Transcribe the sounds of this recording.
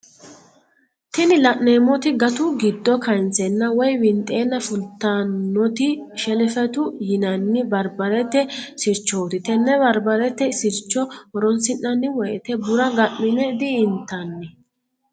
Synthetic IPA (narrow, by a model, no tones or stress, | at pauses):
t̪ɛnɪlɐʔːeːmɔt̪ɪɡɐt̪ʊɡɪd̪ːɔkɐnt͡sɛnːɐwɔjwɪnt̪ʼe̞ːnːɐfʊlt̪ːanːɔt̪ɪʃɛlɛfɛt̪ʊjɪnɐnːɪbɐɾbɐɾɛt̪ːɛsɪɾt͡ʃːoːt̪ɪt̪ɛnːɛbɐɾbɐɾɛt̪ːɛsɪɾt͡ʃːɔɔɾɔnsɪnːɐnːɪwɔjɛt̪ɛbʊɾɐɡɐʔːɪnɛd̪ɪːnt̪ːɐnːɪ